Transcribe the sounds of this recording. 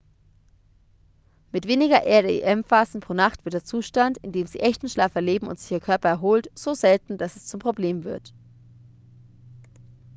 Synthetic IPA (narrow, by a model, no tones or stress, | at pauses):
mɪtv̥eːnɪɡɐʔeːɐdəḛʔɛmfaːzn̩pʁ̥oːnaχtv̥ɪɐt̚deːɐt͡suːʃtantɪndeːmzḭːʔɛçtn̩ʃlaːfɛɐleːbm̩ʊ̰ntz̥ɪ̥çiːɐkʰœɐpɐɛɐɦoːltz̥oːzɛltn̩d̥asɛst͡sʊmpʁ̥obleːmvɪɐt